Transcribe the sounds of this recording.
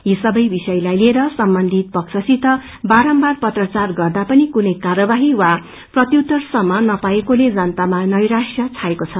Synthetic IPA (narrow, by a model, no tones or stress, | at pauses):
jisʌbʌjbisʌjlajlieɾʌsʌmbʌnd̪ʱit̪̚pʌksʰʌsit̪ʌ | baɾʌmbarpʌt̪rʌt͡sarɡʌrd̪apʌnikunʌjkarʌbaɦiwa | prʌt̪jut̪ʌrsʌmːʌnʌpaekoled͡zʌnt̪amanʌjɾasjʌt͡sʰaekot͡sʰʌ